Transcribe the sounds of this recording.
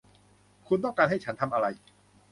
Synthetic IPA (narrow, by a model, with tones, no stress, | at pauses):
kʰu˧nt̪ɔ˥˩ŋkaː˧nɦa˥˩jt͡ɕʰa˦˥nt̪ʰa˧mʔa˧ɾa˧j